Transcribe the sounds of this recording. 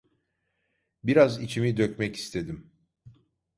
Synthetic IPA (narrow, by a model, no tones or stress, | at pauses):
biɾazit͡ʃʰimid̪øcmɛci̥st̪ʰe̞d̪im